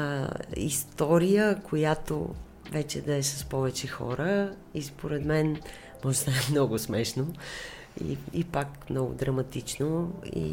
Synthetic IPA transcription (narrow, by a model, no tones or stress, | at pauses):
ḭst̪ɔɾijəkʰojat̪o̰ | vɛt͡ʃɛd̪ɐɛsɐspɔvɛt͡ʃɛxɔ̰ɾə | ispoɾɛd̪mɛn | mɔʒzaɛmnɔɡʊsmɛʃno | ḭipakmnɔɡʊ̰d̪ɾɐmɐt̪it͡ʃnoḭ